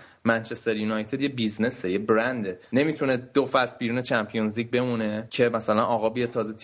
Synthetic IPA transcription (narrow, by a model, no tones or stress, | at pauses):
mænt͡ʃʰe̞st̪eɾjunɒjt̪ʰed̪je̞bizne̞sejebɾænd̪ene̞mit̪ʰune̞d̪ofæsbiːɾuːne̞t͡ʃʰæmpʰijonzlic̚be̞mune̞cʰe̞mæsælænʔɒːɣɒːbijet̪ʰɒːzet̪ʰ